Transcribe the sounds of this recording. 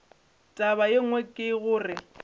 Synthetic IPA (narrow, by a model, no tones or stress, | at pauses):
tʼaβajeŋwɛkʼɪɣʊːrɪ